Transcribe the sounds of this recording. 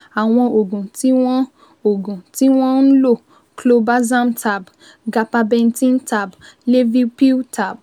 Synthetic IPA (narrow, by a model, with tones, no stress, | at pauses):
a˨w̃ɔ̃˧o˨ɡũ˨ti˦w̃ɔ̃˦ | o˨ɡũ˨ti˦w̃ɔ̃˦ñ̩˦lo˦˨ | klo˧ba˦zã˦mta˨b | ɡa˨pa˧bɛ̃˧n˦tĩ˦nta˦˨ble˦vi˦pi˦tʰa˦˨b̚